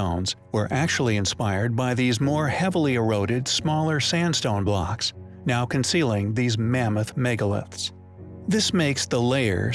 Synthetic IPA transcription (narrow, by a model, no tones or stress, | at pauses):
õʊ̃nz̥wə˞ʔæk̚t͡ʃul̩ˠiɨ̃nspaɪə˞d̚baɪðizmɔɹhɛvl̩ˠiəɹoʊɾɨdsmɔlˠə˞sæ̃nd̥stõʊ̃nblɑ̰ks | naʊkʰɨ̃nsilˠɪ̃ŋðizmæməθmɛɡəlˠɪ̰fs | ðɪsmeɪksðəleɪə̰˞